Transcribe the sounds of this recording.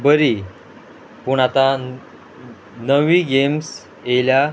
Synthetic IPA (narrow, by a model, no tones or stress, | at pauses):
bəɾi | puɳat̪a | nəʋiːɡems | elja